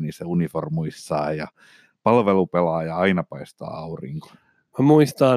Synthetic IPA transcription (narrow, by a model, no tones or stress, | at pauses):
niseuniformuist̪ɑːjɑ | pɑlʋelupelɑːjɑɑinɑpɑist̪ɑ̰ːɑurḭŋko̥ | mæmuist̪ɑː